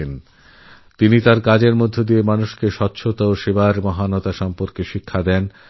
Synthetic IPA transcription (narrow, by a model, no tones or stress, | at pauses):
en | t̪init̪aɾkad͡ʑeɾmod̪ʱːed̪iemanuʃkeʃɔt̪ːɕʰot̪aoʃebaɾmɔɦanɔt̪aʃɔmpoɾkeʃikʰːad̪ɛn